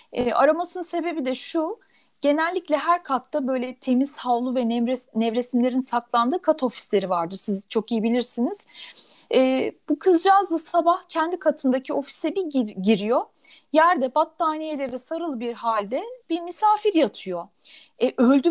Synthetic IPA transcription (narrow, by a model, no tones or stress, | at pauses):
ɛːa̰ɾamasɯnɯnse̞be̞bid̪ɛʃu | ɟ̥e̞nælʲːiclʲɛɦæɾkʰat̪ːabø̞jlʲɛt̪ʰe̞miz̥havlˠuvɛnɛɾenɛvɾe̞simlʲe̞ɾinsaklˠand̪ɯːkʰat̪ʰo̞fi̥slʲe̞ɾivaɾd̪ɯɾsizt͡ʃʰo̞kijibilʲiɾsiniz̥ | ɛːb̥ukʰɯzd͡ʒazlˠasabahcʰɛnd̪ikʰat̪ʰɯnd̪acʰio̞fi̥sɛbiɟiɾijo̞ | jæɾd̪ɛbat̪ːaːnijed̪ɛvɛsaɾɯlˠɯbiɾhalʲd̪ɛb̥iɾmisaːfiɾjat̪ʰɯjo̞ | ɛʔølʲd̪y